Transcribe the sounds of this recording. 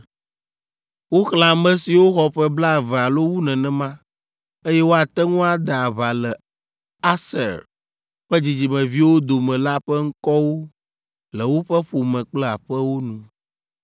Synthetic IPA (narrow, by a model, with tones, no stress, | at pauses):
wo˦xla˨mɛ̃˦si˨wo˦xɔ˨ɸɛ˦bla˦˨vɛ˨a˨lo˦wu˦nɛ̃˨nɛ̃˨mã˦ | e˦jɛ˦wo˦a˨t̪ɛ˦ŋũ˦a˨d̪a˨a˨βa˨lɛ˨ | a˦sɛ̰˨ɾ | ɸɛ˦d͡ʑi˨d͡ʑi˨mɛ̃˨vi˦wo˦d̪o˨mɛ̃˨la˦ɸɛ˦ŋ̩˦kɔ˦wo˦ | lɛ˨wo˦ɸɛ˦ɸo˨mɛ̃˨k͡plɛ˦a˨ɸɛ˦wo˦nũ˨